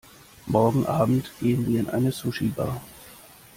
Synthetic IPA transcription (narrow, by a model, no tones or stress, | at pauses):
mɔɐɡŋ̩ʔaːbm̩tɡ̥eːənviːɐɪnʔa̰ɪnəsuʃiba̰ː